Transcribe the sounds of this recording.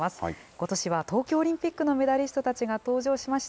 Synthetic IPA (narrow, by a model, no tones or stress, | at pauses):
asɨ̥ko̞t̪o̞ɕiβat̪o̞ːkʲo̞ːɾʲĩmpʲikːɯ̟no̞me̞d̪aɾʲiɕ̬i̥t̪o̞t̪at͡ɕiɡat̪o̞ːʑo̞ːɕimaɕi̥t̪a